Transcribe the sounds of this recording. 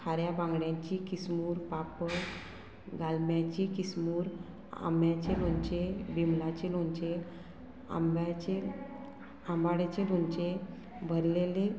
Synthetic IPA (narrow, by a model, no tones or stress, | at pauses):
kʰaɾjabãŋɡɽjãt͡ɕikismuːɾpapə | ɡalmjat͡ɕikismuːɾ | a̰mjat͡ɕelõɲt͡ɕebʱimlat͡ɕelõɲt͡ɕe | a̰mbat͡ɕe | ambaɽet͡ɕelõɲt͡ɕe | bʱəɾlele